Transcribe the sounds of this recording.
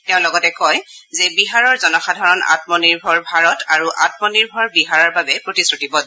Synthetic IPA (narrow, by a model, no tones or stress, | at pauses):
tɛʊ̃lɔɡɔtɛkɔj | zɛbiɦaɹɔɹzɔnɔxadʱaɹɔna̰tmɔniɹbʱɔɹbʱaɹɔtaɹuʔa̰tmɔniɹbʱɔɹbiɦaɹaɹbabɛpɹotisɹotibɔd